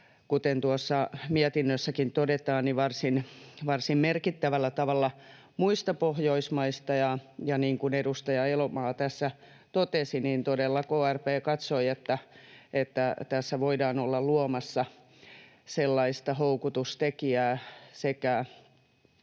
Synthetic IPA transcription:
kut̪ent̪uosːɑmiɛt̪inːøsːækint̪odet̪ɑːnniʋɑrsinʋɑrsimmerkit̪ːæʋælːæt̪ɑʋɑlːɑ | muist̪ɑpohjoismɑist̪ɑjɑjɑniːŋkunedust̪ɑjɑelomɑːt̪æsːæ | t̪ot̪esiniːnt̪odelːɑkoːærpeːkɑt̪soiet̪ːæet̪ːæt̪æsːæʋoidɑːnolːɑlluomɑsːɑ | selːɑist̪ɑhoukut̪ust̪ekiæːsekæ

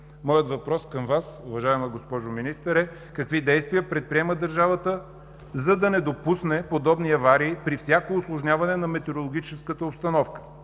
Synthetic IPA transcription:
mɔjət̪vɐpɾɔskəmvasʊvɐʒaɛməɡospɔʒʊminist̪əɾɛ | kɐkvid̪ɛjst̪vijəpɾɛt̪̚pɾiɛməd̪əɾʒavət̪ə | zɐd̪ɐnɛd̪opusnɛpod̪ɔbniɐvaɾiːpɾifsʲjakoʊslˠoʒnʲavɐnɛnɐmɛt̪ɛɾolˠoɡ̟ʲit͡ʃɛskət̪əopst̪ɐnɔfkə̥

